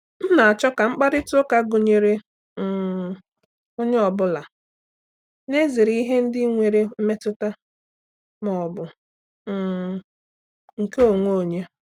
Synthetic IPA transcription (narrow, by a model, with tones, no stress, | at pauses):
m̩˦na˨a˨t͡ʃɔ˦ka˨ŋ͡m̩˦k͡pa˦ɾɪ˦tʊ˦ka˦ɡo˨ɲe˨ɾe˦˨ | o˦ɲe˦ɔ˨bʊ˦la˨ | ne˦zi˨ɾi˦ɦe˦n̩˦dɪ˦ŋʷe˨ɾe˦m̩˦me˦tʊ˦ta˦ | mɔ˨bʊ˨ | ŋ̩˨ke˦o˨ŋʷo˦o˨ɲe˦